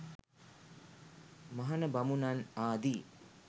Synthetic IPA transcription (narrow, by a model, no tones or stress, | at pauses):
maɦanəbamunanaːd̪i